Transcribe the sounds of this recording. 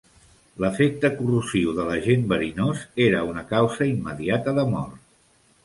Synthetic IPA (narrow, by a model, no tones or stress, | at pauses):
ləfek̚t̪əkuruziwðələʒembəɾinozeɾəunəkawzəimːəðiat̪əðəmɔ̰rt̪